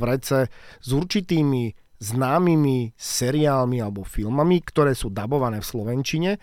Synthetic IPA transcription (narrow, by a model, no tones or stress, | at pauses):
ʋɾɛt͡sɛzuɾt͡ʃit̪iːmi | znaːmimisɛɾiaːlmialɛbɔfilmamikt̪ɔɾɛːsuːd̪abɔʋanɛːfslɔʋɛnt͡ʃiɲɛ